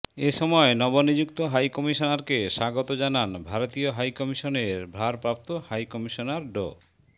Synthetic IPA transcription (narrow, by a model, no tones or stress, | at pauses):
eʃɔmɔenɔbonid͡ʑukt̪oɦajkɔmiʃonaɾkeʃaɡot̪od͡ʑananbʱaɾot̪ioɦajkɔmiʃoneɾbʱɾaɾpɾap̚t̪ohajkɔmiʃonaɾɖo̰